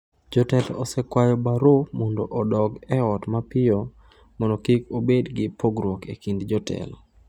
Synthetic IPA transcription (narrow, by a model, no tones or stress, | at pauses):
d͡ʒɔtɛlosɛkwajɔbaɾomondo̰ʔodɔɡɛɔtmapɪɔ | mɔndɔkikobedɡɪpoɡɾwokḛkindd͡ʒɔtɛ̰lɔ